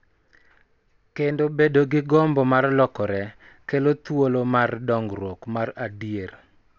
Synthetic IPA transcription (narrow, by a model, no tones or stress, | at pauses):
kendobedoɡɪɡɔmbɔmarlɔkɔɾɛ | kelot̪wolomardɔŋɡɾwokmaradjer